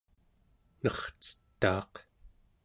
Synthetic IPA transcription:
nʌχt͡sə̥t̪ːɑ̰ːq

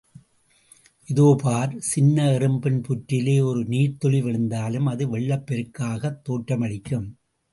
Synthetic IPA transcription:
ʔɪðoːpaːɾsɪnːɐɪɾɯmbɪnpʊʈɾɪleːɔɾɯniːɾt̪ɔɭɪʋɪɭɯnd̪aːlɯmɐðɯʋɛɭːɐpːɛɾɯkːaːɣɐt̪ːoːʈrɐmɐɽɪkːɯm

